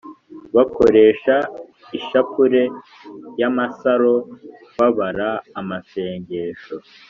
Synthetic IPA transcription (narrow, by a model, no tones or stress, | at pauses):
βako̞ɾe̞ːʃa | iʃakuɾe̞ | jamasaɾo̞ | βaβaɾaːmase̞ːɲɟe̞ːʃo̞